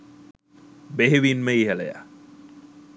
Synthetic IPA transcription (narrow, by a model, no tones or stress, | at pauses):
beɦeʋinməiɦeleja̰